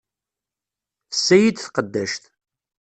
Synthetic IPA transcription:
θə̥sːæjid̪θqəd̪ːæʃt̪

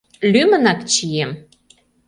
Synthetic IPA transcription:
lymə̆nɑkt͡ɕijem

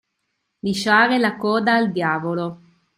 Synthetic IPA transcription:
liʃaːɾelakɔːd̪aːld̪jaːvolo

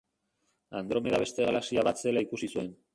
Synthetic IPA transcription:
and̪ɾo̞me̞ðaβe̞st̪e̞ɣalasiaβase̞laikusisue̞n

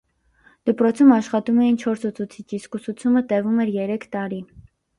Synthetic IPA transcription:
d̪̥əpɾɔt͡sʰumɑʃχɑt̪umɛjint͡ʃʰɔɾsut͡sʰut͡sʰit͡ʃʰiskusut͡sʰumət̪ɛvumɛɾjɛɾɛkʰt̪ɑɾi

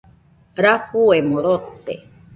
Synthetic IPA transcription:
ɾahuemoɾot̪ːḛ

